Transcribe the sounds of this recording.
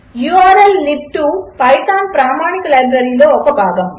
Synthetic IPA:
juːaːɾɐlːɪp̚ʈupɐɪt̪aːnpɾaːmaːɳɪkːɐlɐɪbɾɐɾiloɔkːɐpːaːɣɐm

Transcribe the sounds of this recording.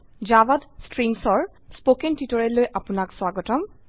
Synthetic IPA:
d͡ʒabadstɹimsɔɹ | spokɛntitɔɹɛlojʔapʊnakswaɡɔtɔm

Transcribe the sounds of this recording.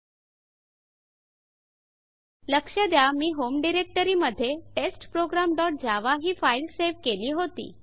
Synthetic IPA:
ləkʂəd̪jamiːɦomɖiɾek̚ʈəɾiːməd̪ʱːjeʈesʈpɾoɡɾamɖɔʈ̚d͡ʑaʋaɦiːfailseʋkeliːɦot̪ḭː

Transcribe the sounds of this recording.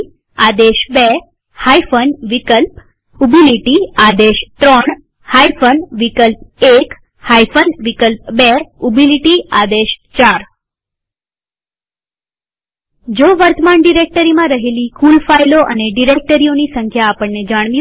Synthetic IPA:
ad̪eʃbe | hajfənʋikəlp | ubiliʈiad̪eʃt̪ɾɔɳ | haifənʋikəlpek | hajfənʋikəlp̚beubiliʈiad̪eʃt͡ʃaɾ | d͡ʒoʋəɾt̪əmaɳɖiɾek̚ʈəɾimãɾəɦelikulfajloʔə̰neɖiɾek̚ʈəɾionisəŋkʰjaːpəɳːed͡ʒaɽ̃ʋi

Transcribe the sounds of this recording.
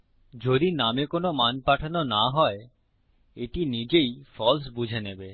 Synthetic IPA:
d͡ʑod̪inamekonomanpaʈʰanonaɦɔe | eʈinid͡ʑejfɔls̬bud͡ʑʱenebe

